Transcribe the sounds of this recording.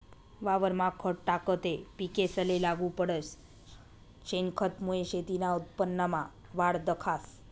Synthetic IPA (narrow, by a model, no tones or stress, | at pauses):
ʋaʋəɾmãkʰəʈʈakət̪epikesəlelaɡupəɽəs | t͡ɕenkʰət̪moeɕet̪inaut̪̚pənːəma | ʋaɽd̪əkʰas